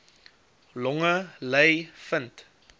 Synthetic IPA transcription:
lɔŋələjfənt

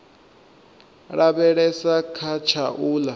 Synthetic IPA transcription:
ɺabɛɺɛsakʰat͡ʃʰaʔuːla

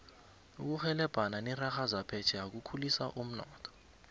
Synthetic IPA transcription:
uk̬uxɛlɛb̥ʱananiraxazapʰɛt͡ʃʰɛjak̬ukʰulisa̰ʔum̩nɔːtʰɔ̥

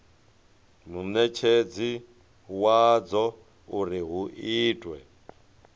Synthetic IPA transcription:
nunɛt͡ʃʰed͡zi | wad͡zɔ | uɾiɦuʔiːtʼwɛ

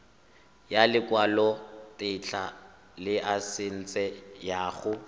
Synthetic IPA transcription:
jalɪkʼwalɔtʼɪt͡ɬʰa | lɪʔasɪn̩t͡sʼɛjaːχʊ

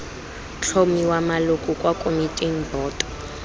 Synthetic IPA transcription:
t͡ɬʰomiwamalukʼukʼwakʼomitʼin̩bɔːtʼɔ̥

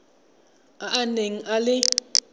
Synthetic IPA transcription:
aʔːneŋ̩ʔalɪ

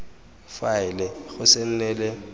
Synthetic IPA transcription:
faɪlɛɣʊsɪn̩nɛlɪ

